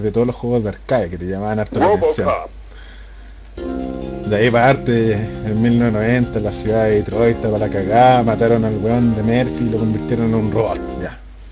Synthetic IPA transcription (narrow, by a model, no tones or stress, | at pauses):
ðet̪oðolosxweɣozðeaɾkaðjaket̪eʝamaβanaɾt̪oɾesjon | d̪eaipaɾt̪eːnmilneenoβent̪alasjuðaðeit̪ɾojt̪apalakaɣamat̪aɾonalɣeond̪emeɾsiːlokombiɾt̪jeɾonenunroβot̪̚ʝa